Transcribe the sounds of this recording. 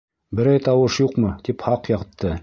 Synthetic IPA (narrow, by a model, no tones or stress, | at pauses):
bɘ̆ɾæjt̪ɑwɤʃjuqmɤt̪iphɑqjɑʁt̪ːɤ